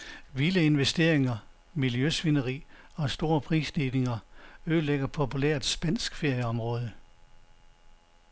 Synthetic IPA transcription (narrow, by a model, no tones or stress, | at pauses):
ʋiləe̝nʋesd̥e̝̰ɐ̰eŋɐ | miljøsʋinəʁḭːɒ̽sd̥o̝ːɐpʰʁḭːsd̥iːne̝ŋɐøðˠleɡ̥ɐpʰo̝pʰuleɐ̰d̥sb̥æn̰sɡ̥fe̝ɐ̰jəɒ̽mʁɔ̽ːð̞ˠə